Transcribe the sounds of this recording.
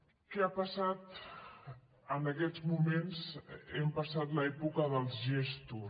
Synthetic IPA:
kɛapəsat̪ | ənəkɛzmumenzɛmpəsat̪ləɛpukəðəlˠzʒest̪u

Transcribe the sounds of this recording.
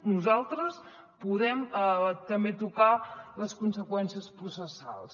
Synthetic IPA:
nuzalˠt̪ɾəs | puðɛmt̪əmbet̪ukaləskunsəkwɛnsiəspɾusəsa̰lˠs

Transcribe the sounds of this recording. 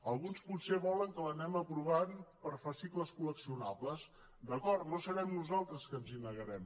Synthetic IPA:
əlˠɣunsput̪seβɔləŋkələnɛməpɾuβanpəɾfasikləskuləksiunabləz | d̪əkɔɾt̪nosəβɛmnuzalˠt̪ɾəskənzinːəɣəɾɛm

